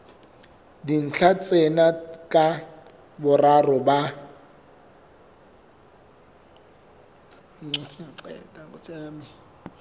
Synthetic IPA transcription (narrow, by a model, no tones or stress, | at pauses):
din̩t͡ɬʰat͡sʼɛnakʼa | bʊrarɔba | ŋ͡ǀet͡sʰaǃɛ̰tʼakʊt͡sʼɛːmɪ